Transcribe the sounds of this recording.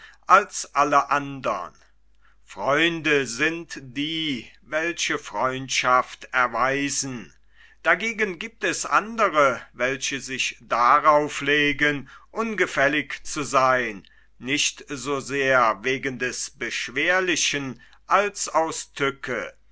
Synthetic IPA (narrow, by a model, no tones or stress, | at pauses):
ʔalsʔaləʔandɐ̰n | fʁ̥ɔʏndəzɪntd̥iːvɛlçəfʁ̥ɔʏntʃaftɛɐvaɪzn̩ | d̥aɡeːɡənɡiːp̚tɛsʔa̰ndəʁəvɛlɕəzɪçd̥aʁaʊfleːɡənʔʊnɡəfɛlɪkt͡suzaɪnː | ɪçtzoːzeːɐveːɡəndɛsb̥əʃv̥eːɐlɪçən | ʔalsaʊstʰʏkʰə